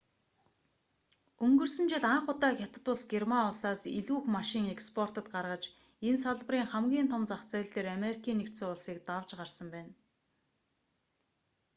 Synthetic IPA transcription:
ɵŋɡɵ̆rsɵ̆nt͡ɕɪ̆ɮaɴχʊt̪aːxʲjat̪ə̆t̪ʊɮsɡermaʊɮsaːsḭɮuːxmaʃiːŋekspʰɔr̥t̪ə̆t̪̚ɢarʁə̆t͡ɕ | ensaɮpə̆riːŋχæmɡʲiːnt̪ʰɔmt͡saχt͡sæːɮt̪eːɾameɾikʰiːnːekt̪seːʊɮsiːk̚t̪awt͡ɕɢarsə̆mpæːn

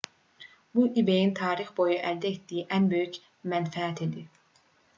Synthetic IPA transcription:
buʔibejint̪ʰɑːɾixbo̞juʔæld̪æet̪d̪ijiʔænbø̞jyc | mænfææt̪ʰed̪i

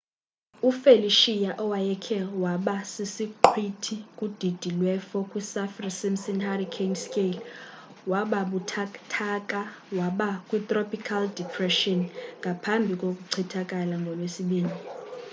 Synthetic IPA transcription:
ufeliʃijaʔɔwajɛkʰɛwaɓasisiǃʰwitʰikʼud̥ʱid̥ʱilwɛfɔkʼwisafrisimsinharikʰenskʼel | waɓaɓutʰtʰakʼa | waɓakʼwit̪ʼropʰʼikʰaldipʰrɛʃɔnŋɡʱapʰambʱikʼokʼuǀʰitʰakʼalaŋɡʱɔlwesiɓiːni

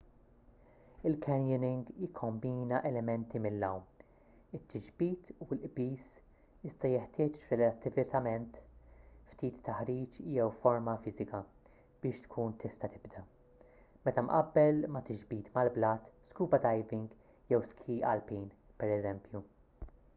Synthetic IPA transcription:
ɪlkʰɛnjɪnɪŋɡjɪkʰːɔmbiːnɐʔɛlɛmɛnt̪imɪlːɐwm | ɪt̪ʰːɪd͡ʒbiːt̪ulʔbiːs | ɪst̪ɐjɛħt̪ɪːt͡ʃɾɛlɐt̪ːɪvɪt̪ɐmɛnt̪ft̪iːt̪ʰːɐħɾiːt͡ʃjɛwfɔɾmɐfɪzɪkɐ | b̥ɪːʃt̪kʰuːnt̪ʰɪst̪ɐt̪ɪbd̪ɐ | mɛt̪ɐmʔɐbːɛlmɐt̪ɪd͡ʒbiːt̪mɐlblɐːt̪skuːbɐd̪ɐjvɪŋɡ | jɛwskʰiːʔɐ̰lpiːn | pɛɾɛzɛmpju

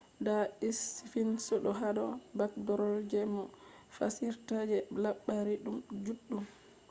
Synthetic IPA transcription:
ndaʔisifinsɔɗɔɦadɔbak̚dɔɾɔld͡ʒɛmɔ | fasiɾtad͡ʒɛlaɓːaɾiɗumd͡ʒuɗːum

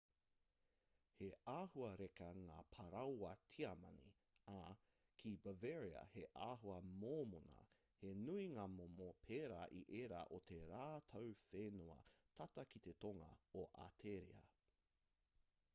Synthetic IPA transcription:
heʔaːhuɐɾekɐŋaːpʰɐɾɐwɐtʰiɐmɐ̰nḭ | a | kʰibɐvɛɹiɐ̰heʔaːɦuɐmoːmonɐ̰ | henuiŋaːmomopʰeːɾaʔiʔeːɾa̰ʔotʰeɾaːt̪ʰɐwfenuɐ̰tʰɐtɐkit̪e̞toŋɐ̰oʔa̰tʰeɾḭɐ̰

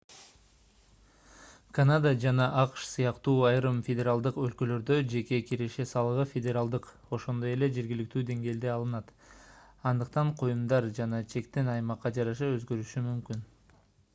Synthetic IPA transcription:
kanad̪əd͡ʒɑnɑʔɑqʃsɯjɑqt̪uːɑjɾɯmfʲedʲe̞ɾalˠd̪ɯqø̞lkø̞lø̞ɾd̪ød͡ʒe̞kʲe̞kʲiɾe̞ʃe̞sɑlˠɯʁɯfʲedʲeɾalˠd̪ɯq | o̞ʃo̞nd̪o̞je̞le̞d͡ʒeɾɡʲilik̚t̪yːd̪e̞ŋɡe̞ːld̪e̞ɑlˠɯnɑt̪ | ɑnd̪ɯq̚t̪ɑɴqʰo̞jumd̪ɑɾd͡ʒɑnɑt͡ʃʰe̞kt̪enɑjmɑqːɑd͡ʒɑɾɑʃɑø̞zɡø̞ɾyʃymymkyn

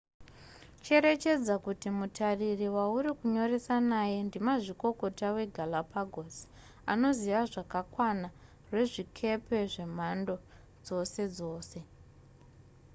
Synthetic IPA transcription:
t͡ʃe̞ɾe̞t͡ʃe̞d͡zakutimutʰaririwauɾikuɲo̞re̞sanaːje̞ndimaʐiko̞ko̞tawe̞ɡʱalapaɡʱos | ano̞ziʋaʐakakwana | rwe̞ʐikʰe̞pe̞ʐe̞m̤ando̞ | d͡zo̞se̞d͡zo̞ːse̞

